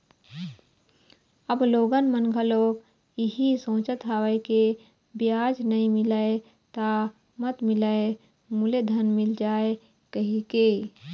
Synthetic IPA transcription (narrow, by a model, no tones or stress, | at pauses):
əbloːɡənmənɡʱəloːɡ | iɦisõːt͡ʃət̪ɦaːʋəeke | bjaːd͡ʒnəĩmɪləe | t̪a | mət̪mɪləe | muled̪ʱənmɪld͡ʒaːe | kəɦikeː